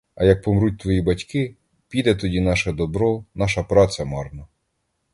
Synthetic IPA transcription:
ɐjɐk̚pɔmɾut̚ʲt̪ʋɔjibɐtʲkɪ | pʲid̪ɛt̪ɔdʲinɑʃɛd̪ɔbɾɔnɑʃɐpɾɑt͡s̪ʲɐmɑrnɐ

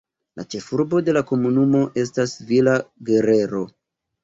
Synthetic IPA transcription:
la̰t͡ʃe̞fuɾbo̞de̞lako̞munumo̞ʔe̞s̬tasvilaɡe̞ɾe̞ɾo̞

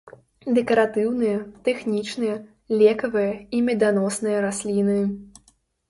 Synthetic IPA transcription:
d̪ɛkɐɾat̪ɨwnɨjɐt̪ɛxnʲit͡ʂnɨjɐ | lʲɛkɐvɨjɐimʲɛd̪anɔsnɨjɐɾasʲlʲinɨ

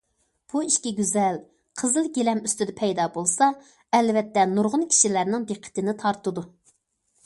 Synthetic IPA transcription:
b̥uiʃkʲiɡʲyzɛl | qʰəzɨlˠɡʲelɛmyst̪ɪd̪ɛpʰɛjd̪ɑbolˠsɑ | ɛlvɛt̪ːɛnuɾʁʊnkʲʰi̥ʃilæɾnɪŋd̪eqʰːə̥t̪ɪnɪt̪ʰɑɾt̪ɨd̪u

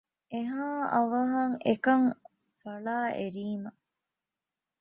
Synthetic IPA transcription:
eɦaːʔɐʋɐɦɐŋekɐŋ | fɐɭaːʔeɾiːmɐ

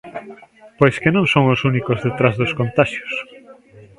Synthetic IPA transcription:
pojskenõŋsõŋosunikozðet̪ɾazðoskont̪aʃjo̥s

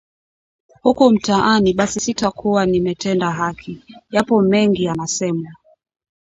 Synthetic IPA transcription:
hukum̩taʔaniɓasisitakuwanimɛtɛndaɦakʰijapɔmɛŋɡianasɛma

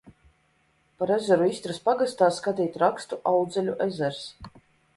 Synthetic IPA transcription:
paɾezɛɾuisʲt̪ɾaspaɡast̪aːskat̪iːt̪ɾakst̪uʔawd̪zɛlʲuʔɛzɛɾs

